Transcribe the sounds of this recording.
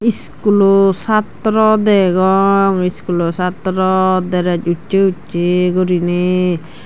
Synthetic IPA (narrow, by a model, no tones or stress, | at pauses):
is | kulosat̪ɾɔd̪ɛɡɔŋiskulosat̪ɾɔd̪ɛɾad͡ʒut͡ʃt͡ʃeutt͡ʃeɡɔɾine